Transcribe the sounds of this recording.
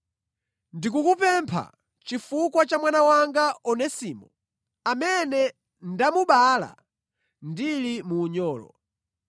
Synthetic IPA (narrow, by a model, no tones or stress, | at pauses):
ndikukupɛmpʰa̰ | t͡ʃifukwat͡ʃamwanawaŋɡaɔnɛsiːmu | amɛnɛ | ndamuɓala̰ | ndilimuːɲɔːlɔ̰